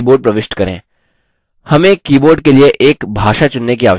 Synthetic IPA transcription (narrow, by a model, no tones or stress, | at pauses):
boːɾɖ̚pɾɐʋɪʃʈkɐɾḛ̃ː | hɐmẽːkiːboːɾɖ̚kelieʔeːkbʱaːʃat͡ʃʊnːekiaːʋə